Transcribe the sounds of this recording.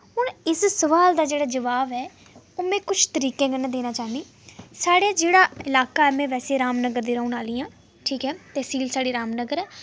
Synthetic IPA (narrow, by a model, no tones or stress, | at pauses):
ɦʊɳɪssəʋaːld̪aːd͡ʒeːɽaːd͡ʒəʋaːʋɛː | oːmɛ̃ːkʊt͡ʃʰt̪əɾiːkẽːkənãːd̪eːnãːt͡ʃaːniː | saːɽeːd͡ʒeːɽaːɪlaːkaːɛːmɛ̃ːʋɛːseːɾaːmnəɡəɾd̪iːɾəːuːnaːliːãː | ʈʰiːkɦɛːt̪ɛːsiːlsaːɽiːɾaːmnəɡəɾɛː